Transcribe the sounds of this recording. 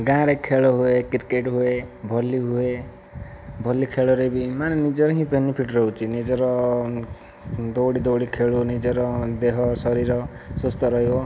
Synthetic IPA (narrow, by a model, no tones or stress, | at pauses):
ɡãɾekʰeɭoɦuekirkeʈɦuebʱɔlːiɦue | bʱʌlːikʰeɭoɾebimanenid͡zɔɾɦĩpenipʰiʈɾɔɦut͡sʰinid͡zɔɾɔ | d̪owɽid̪owɽikʰeɭunid͡zeɾɔd̪eɦɔsʌɾiɾɔsost̪ɔɾʌɦjo